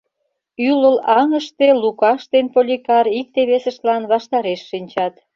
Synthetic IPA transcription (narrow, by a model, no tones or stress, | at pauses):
yləlɑŋəʃt̪elukɑʃt̪enpolʲikɑɾik̚t̪eβesəʃt̪lɑnβɑʃt̪ɑɾeʃːinʲt͡ɕɑt̪